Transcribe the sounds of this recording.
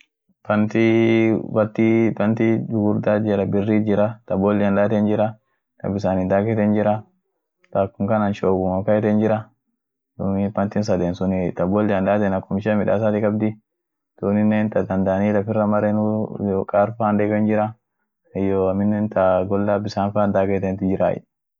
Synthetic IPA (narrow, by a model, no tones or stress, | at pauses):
pɐnt̪ibɐt̪ːipɐnt̪idʊɡʊɾd̪ad͡ʒɛlɐbɪrːiːd͡ʒɪɾɐt̪ɐbɔlːɪɐnd̪aːt̪ɛnd͡ʒɪɾɐ | t̪ɐ̰bɪs̬aːnid̪aːkɛt̪ɛnd͡ʒɪɾɐ | t̪akːʊŋkɐnanʃoːɡʊmɐkːɐɛt̪ɛnd͡ʒɪɾɐ | tʊmɪpɐnt̪ɪns̬ɐd̪eːnsʊnɪt̪ɐbɔlːɪɐnᶑaːt̪ɛnɐkːʊmɪʃɛmɪᶑa̰ːsat̪ɪkʼɐbd̪ɪ | t̪uːnɪnːeːnt̪ɐd̪ɐnd̪aniːlɐfɪrːɐmɐɾenʊkʼaːɾfaːnd̪eːɡɐnd͡ʒɪɾɐ | ɛjoɐmɪnːent̪ɐɡɔlːaːbɪsaːnfaːnd̪aːkɛt̪ɛnt̪ʊd͡ʒɪɾa̰ːʔɛ̰